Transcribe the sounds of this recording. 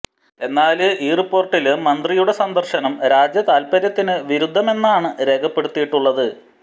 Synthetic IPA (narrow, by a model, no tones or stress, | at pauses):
e̞nːaːlɨʔiːrpːo̞ːrʈːilɨmɐnd̪rijuɽe̞sɐnd̪ɐrɕɐnɐmɾaːd͡ʑjɐt̪aːlpɐɾjɐt̪ːinɨʋiɾud̪ʱːɐme̞nːaːɳɨɾe̞ːɡʰɐpːe̞ɽut̪ːijiʈːuɭːɐðɨ